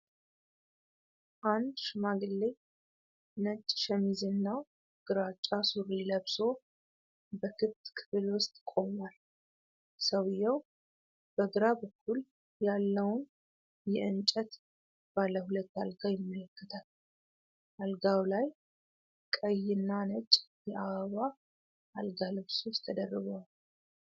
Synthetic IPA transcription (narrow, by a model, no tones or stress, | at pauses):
ʔand̪ʃɨmaɡɨlːe | nət͡ʃʼːʃəmizɨnːa | ɡ̥ɨɾat͡ʃʼːasuɾiləβso̞ | bəkʰɨt̪kʰɨ̥βɨlwʊst̪ʼkʼo̞mal | səwɨjːɛw | b̥əɡɨɾabəkʰːul | jalːəwʊn | jɛɨnt͡ʃʼət̪ | b̥alːəhulət̪ːalɡawjɪmːələkːət̪ʰal | ʔalɡawlaj | kʼəjːɪnːanət͡ʃʼjɛʔaβəβa | ʔalɡalɨβsost̪ʰəd̪ərːɨɡal